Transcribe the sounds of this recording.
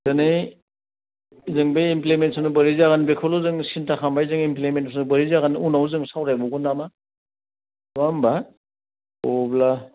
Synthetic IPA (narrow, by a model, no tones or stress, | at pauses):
zɯnɯj | zɯŋbejimplementsanɯbɐɾizaɣanbekʰɔluzɯŋsintakʰambajzɯŋimplementsanɯbɐɾizaɣanunawzɯŋsawɾajbɔɡunama | wamba | ɔbla